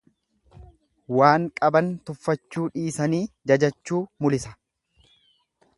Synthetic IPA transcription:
waːŋkʼɐbɐnt̪ʊfːɐt͡ʃːuːᶑiːsɐniːd͡ʒɐd͡ʒɐt͡ʃːuːmʊlɪsɐ̥

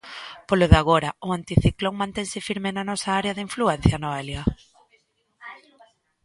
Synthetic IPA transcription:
poloðaɣoɾɐʊant̪iθikloŋmãnt̪ɛŋsɪfiɾmenɐnɔsaaɾeɐðiɱfluɛn̟θjɐnoɛljɐ

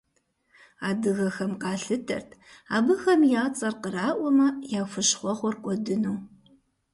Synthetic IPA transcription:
aːdɨɣɐxɐmqɑːɬɨtʰɐ̰rtʰa̰ːbɨxɐmjaːt͡sʼɐrqəɾaːʔʷɔmɐjaːfʷɨɕχʷɔχʷɔrqʷʼɔdɨnuː

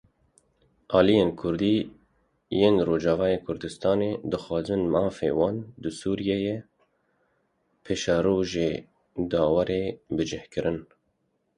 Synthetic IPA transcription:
ʔɑːlijeːnkʰʊɾd̪iː | jeːnroːd͡ʒɑːvɑːjeːkʰʊɾd̪ɨst̪ɑːneːd̪ɨxɑːzɨnmɑːfḛːwɑːnd̪ɨsuːɾijɛje | pʰeːʃɑːɾoːʒeː | d̪ɑːwɑɾeːbɨd͡ʒɪhkɨɾʔɨn

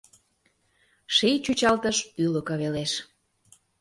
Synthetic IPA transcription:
ʃijt͡ɕut͡ɕɑlt̪əʃylə̆kəβeleʃ

